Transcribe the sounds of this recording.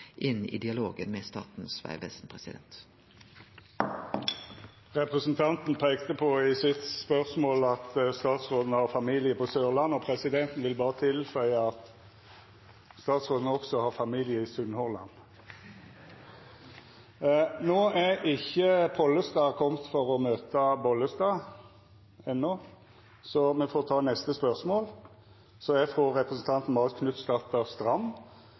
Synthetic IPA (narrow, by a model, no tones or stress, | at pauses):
ʔɪnɪ̰ːd̪ɪɑlo̰ːɡənmeːst̪ɑ̰ːt̪n̩sʋæ̰ɪʋɛ̰sn̩pʰʁɛsɪd̪ɛ̰nt̪ | ʁɛpʁɛsn̩t̪ʰɑnt̪n̩pʰeːkt̪əpʰɔɪsɪt̪spœʁsmoːlɑt̪st̪ɑːt̪sʁoːd̪n̩əhɑʁfɑmiːlɪəpʰɔsøːʁlɑnːɔpʰʁɛsɪd̪ɛnt̪n̩ʋɪlbɑːʁət̪ʰɪlfœʏəɑt̪ | st̪ɑːt̪sʁoːd̪nəɔksɔhɑʁfɑmiːlɪəɪsʉnhɔʁlɑ̰n | noːæɪçːəpʰɔlːəst̪ɑːkʰɔmt̪fɔɾɔmøːt̪əbɔləst̪ɑː | ɛnːɔ | sɔmɛfoːʁt̪ʰɑːnɛst̪əspœʁsmoːl | sɔæfʁoːʁɛpʁɛsn̩t̪ʰɑnt̪n̩bɑːʁəskʰnʉt̪ːsd̪ɑt̪ːəst̪ɾɑmː